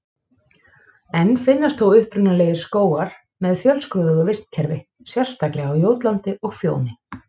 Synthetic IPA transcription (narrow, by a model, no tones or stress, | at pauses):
ɛnːfɪnːast̪θowʏhpɾʏnːaleːjɪɾ̥skoːwaɾ̥ | mɛðfjœlskɾuðʏɣʏvɪst̪cʰɛɾvɪ | sjɛr̥st̪aklɪawjoːwt̪lant̪ɪʔɔɣfjo̰ːwnɪ